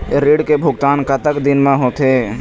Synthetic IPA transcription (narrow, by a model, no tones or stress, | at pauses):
ɾiːɖkebʱʊɡt̪aːnkət̪əkd̪ɪnmẽɦot̪eː